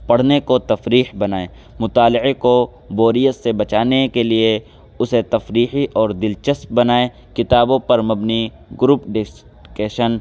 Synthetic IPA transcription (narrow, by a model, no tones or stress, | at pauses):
pɐɽ̤nekot̪ɐfɾiːɦbɐnaːe | mʊt̪aːlɪʕeko | boːɾijəssːebɐt͡ʃaːnekelie | ʊset̪ɐfɾiːɦiʔɔːɾd̪ɪlt͡ʃəst̚bɐnaːe | kɪt̪aːbõpɐɾmɐbni | ɡʊɾuːpɖɪs | keːʃən